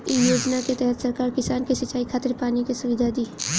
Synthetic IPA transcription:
ɪjoːd͡ʒnaket̪ɛɦɛt̪sɐɾkaːɾkɪsaːnkisɪt͡ʃaːikʰaːt̪ɪɾpaːnikesʊʋɪd̪ʱad̪iː

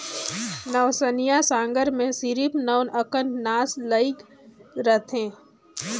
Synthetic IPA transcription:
nəʋsənijasãːŋɡəɾmẽsiɾipnəwnəkənnaːsləɪk | ɾət̪ʰɦẽː

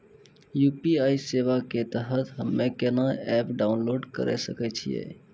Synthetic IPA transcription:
jupiaiseʋaket̪əɦət̪ɦəmːekenaɛpɖaunloɖkə̰ɾɛ̰sə̰kɛt͡ʃʰḭjḛ

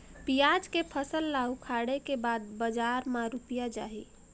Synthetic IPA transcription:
pijad͡ʒkepʰəsəlːaukʰaɽekebad̪̚bəd͡ʒaɾmaɾupijad͡ʒa̰ɦḭ

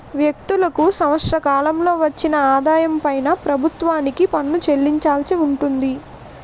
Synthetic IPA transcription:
ʋjɐk̚t̪ulɐkusɐmɐʂɾɐkaːlɐmlo̞ːʋɐt͡ʃːinɐaːd̪aːjɐmpɐjnɐpɾɐbʱut̪ʋaːnikipɐnːut͡ʃe̞lːiɲt͡ʃaːlsiuɳʈund̪i

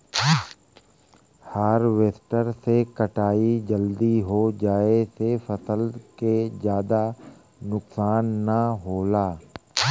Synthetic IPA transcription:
haːɾʋeːsʈəɾsekəʈaːid͡ʒəld̪iɦod͡ʒaːesefɐsəlked͡ʒjaːd̪a | nʊksaːnːaɦoːlaː

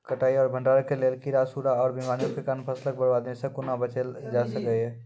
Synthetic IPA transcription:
kəʈaːiɔːɾbʱə̃ɳɖaːɾəkeleːlkiɾasuɾaɔːɾbimaːnijõkekanpʰəslək̚bəɾbaːd̪nesẽkʊnabət͡ʃəld͡ʒasəkəɦɛ

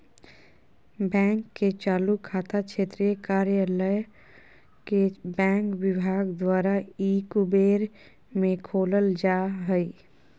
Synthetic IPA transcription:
bɛ̃ːŋkːet͡ʃaːlukʰːaːt̪akʃʰeːt̪ɾijekaːɾjaləj | kebɛ̃ːŋkwɪbʱaːɡd̪waːɾaiːkubeːɾ | mẽkʰoːləld͡ʒaɦəi

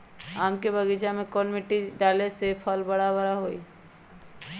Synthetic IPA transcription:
amkebəɡid͡ʒamekɔnmiʈːiɖalesepʰəlbəɽabəɾaɦoi

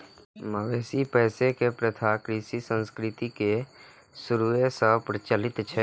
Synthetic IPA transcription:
məʋeːsipɛːsekepɾət̪ʰakɾiːsisə̃nskɾɪt̪ike | sʊɾuesəɦpɾət͡ʃəlɪt̪t͡ʃʰɛ

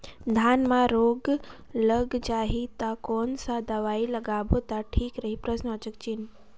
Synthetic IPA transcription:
d̪ʱaːnmãɾoːɡ | ləɡd͡ʒaːɦit̪akɔːnsad̪ɐʋaːilɐɡaːbot̪aʈʰiːkɾəɦipɾəʃnat͡ʃək̚t͡ʃin

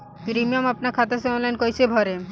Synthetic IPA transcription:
pɾimiomapnaɾkʰat̪aseɔnlajnkojsebʱɔɾe

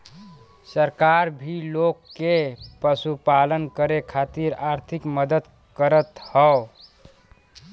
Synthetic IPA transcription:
səɾkaɾbʱilokːepəsupalənkəɾekʰat̪iɾaɾt̪ʰikməd̪əd̪ | kəɾət̪həo

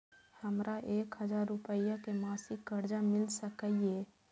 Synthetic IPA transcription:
həmɾʔaʔeːkɦəd͡ʒaːɾːʊpəjakemaːsɪkːəɾd͡ʒamɪlsəkəije

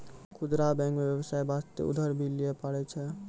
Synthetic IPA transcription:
kʰud̪ɾabɛ̃ŋkmebjebəsaebast̪ḛṵd̪ʱəɾbʱilijɛpaɽɛt͡ʃʰɛ

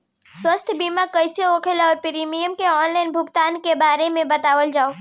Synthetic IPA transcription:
swəst̪ʰbiːmakəɪseokʰelɔːɾpɪɾimijəmkeɔːnlaːɪnbʱʊɡt̪aːnkebaːɾemẽbɐt̪aːʋəld͡ʒaːo

